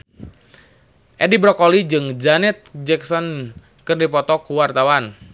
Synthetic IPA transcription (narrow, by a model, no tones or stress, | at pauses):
ʔɛdibɾɔkɔlid͡ʒɨŋd͡ʒanɛt̪̚d͡ʒɛksɔn | kɨrdipɔt̪ɔkuwart̪awan